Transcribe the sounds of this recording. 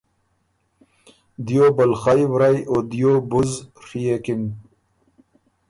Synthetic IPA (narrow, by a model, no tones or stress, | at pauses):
d̪jobɐlχajwɾajod̪ijoːbuzʂijekin